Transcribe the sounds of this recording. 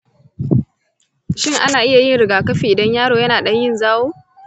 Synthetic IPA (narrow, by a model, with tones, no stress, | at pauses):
ʃɪ˦˨ŋʔa˦naː˨ʔɪ˦ja˨jɪ˦˨nɽɪ˨ɡaː˨kɐ˦ɸiː˨ʔɪ˨dɐ˦ɲjaː˦ɽoː˨jɐ˦naː˨ɗɐ˦ɲjɪ˦˨nzaː˦woː˦